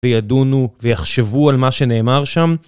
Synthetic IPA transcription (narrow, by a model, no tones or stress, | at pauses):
ejadunuvejaχʃe̞vualmaʃe̞ne̞ːmaʁʃam